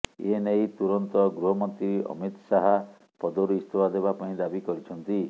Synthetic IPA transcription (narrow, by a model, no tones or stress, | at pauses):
enejt̪uɾɔnt̪ɔɡɾuɦɔmɔnt̪ɾiɾiʔɔ̰mit̪ɔsaɦa | pɔd̪ɔɾuist̪ʰobad̪ebapaĩd̪abikɔɾit͡ʃʰɔnt̪i